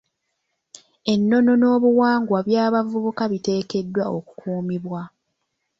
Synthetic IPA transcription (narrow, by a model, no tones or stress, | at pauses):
e̞nːo̞no̞no̞ːβuwaːŋɡwaβjaːβavuβukaβite̞ːke̞dːwao̞ku̥kʰuːmiβwa